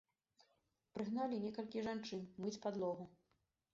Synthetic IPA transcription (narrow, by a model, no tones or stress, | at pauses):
pɾɨɣnalʲinʲɛkɐlʲkʲiʐant͡ʂɨnmɨt͡sʲpad̪lˠɔɣu